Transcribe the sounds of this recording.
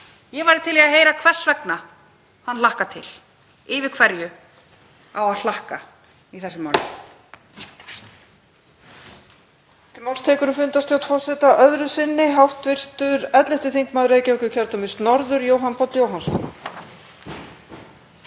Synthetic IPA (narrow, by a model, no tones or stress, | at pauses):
jɛvaɾɪɾt̪ʰɪliaɦeːjɾakʰvɛr̥svɛkna | hanlahkat̪ʰɪl | ɪːvɪkʰvɛɾjʏ | awaðlahka̰ | iθɛsːʏma̰ɾn | t̪ɪlmawlst̪ʰɛːkʏɾʏmfʏnt̪ast̪ʰjawt̪fɔsɛt̪aʔœðɾʏsɪnːɪɦawht̪vɪr̥t̪ʏɾɛt̪lɪht̪ɪθiŋkmaːðɾeːjcaœkʏcʰɛɾt̪amɪst̪nɔɾðʏɾjoːwɦanpʰɔt̪ljoːwɦansɔ̰n